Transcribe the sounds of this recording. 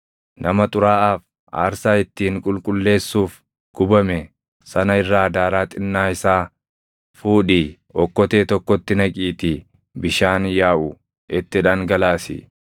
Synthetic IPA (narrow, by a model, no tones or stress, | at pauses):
nɐmɐt̪ʼʊɾaːʔaːf | ʔa̰ːɾsaːɪt̪ːiːŋkʼʊlkʼʊlːe̞ːsːuːf | ɡ̥ʊbɐmɛ | sɐnɐɪrːaːɐd̪aːɾaːt̪ʼɪnːaːɪsaː | fuːᶑiː | ʔɔkːɔt̪eːt̪ɔkːɔt̪ːɪnɐkʼiːt̪ɪ | bɪʃaːnjaːʔʊ | ʔɛt̪ːɪᶑaːŋɡɐlaːsɪ̰